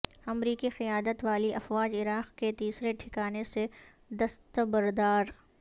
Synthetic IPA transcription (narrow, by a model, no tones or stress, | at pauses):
ɐmɾiːkixɐjaːd̪ət̪ʋaːliʔɐfwaːd͡ʒɪɾaːqket̪iːsɾeʈʰɪkaːnese | d̪ɐst̪əbɐɾd̪aːɾ